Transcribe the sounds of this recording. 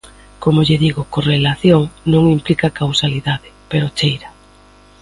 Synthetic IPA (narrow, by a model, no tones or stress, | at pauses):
komoʎɪðiɣokorelaθjoŋnõŋimplikakawsaliðaðɪpeɾot͡ʃejɾa